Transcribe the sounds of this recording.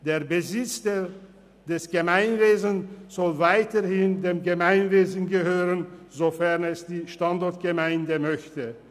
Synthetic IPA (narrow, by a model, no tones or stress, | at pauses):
d̥eːɐbəzɪt͡sd | d̥ɛsɡ̥əmaɪnveːzn̩z̥ɔlvaɪtəhɪndeːmɡəmaɪnveːzn̩ɡəɦøːʁənzofɛʁnɛsd̥iːʃtandɔɐt̚ɡ̥əmaɪndəmœçtə